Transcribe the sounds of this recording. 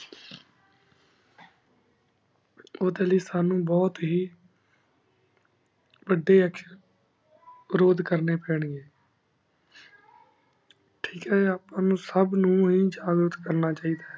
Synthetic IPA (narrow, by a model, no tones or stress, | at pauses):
oːd̪eːliːsaːnũːbɔːt̪ɦiː | ʋəɖːeːɛkʃə | ɾoːd̪kəɾneːpɛːɳ̃iːeː | ʈʰiːkɦɛːaːpãːnũːsəbnũːɦiːd͡ʒaːɡət̪kəɾnaːt͡ʃaːiːd̪aːɦɛ